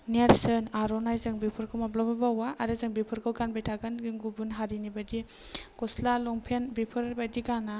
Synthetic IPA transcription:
naɾsɯnaɾonajzɯŋbipʰɯɾkʰɯmablababawaʔːɾɯzɯŋbipʰɯɾkʰɯwɡanbajtʰaɡanɡiŋɡubunɦaɾinibɐdikoslalɔŋpʰenbipʰɯɾbadiɡana

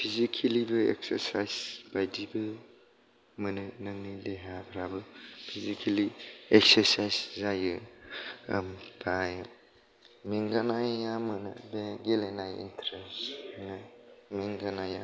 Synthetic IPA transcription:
pʰizikʰelibɯḛksə̰ɾsajzb̥ajdibɯ | mɯnɯnɯŋnileɦabʰɾabɯpʰizikʰelieksəɾsajzzajɯ | mdʰaj | meŋɡanajːamɯnɯ̰beɡelenajḭntʰɾesnɯmeŋɡanaja̰

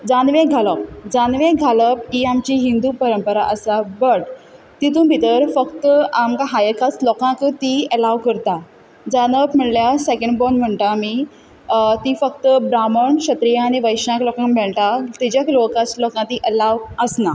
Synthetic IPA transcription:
d͡zanʋẽɡʱaləp̚d͡zanʋẽɡʱaləpiamt͡ɕiɦind̪upəɾəmpəɾaʔəsabəʈ | t̪it̪̬ũbʱit̪əɾfəkt̪əamkaɦajəkat͡slɔkãkt̪iəlaʋkəɾt̪a | d͡zanəpm̤əɽljasekeɳɖbɔnm̤əɳʈ̪amiː | t̪ifək̚t̪əbɾaməɳɕət̪ɾijãñiʋəjɕãklɔkãŋkbɛɭʈat̪id͡ʑjaklokat͡slɔkãt̪iʔəlaʋəsna

